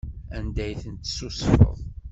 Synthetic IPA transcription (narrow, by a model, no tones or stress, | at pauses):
ænd̪æjθənt̪susfə̰ðˤ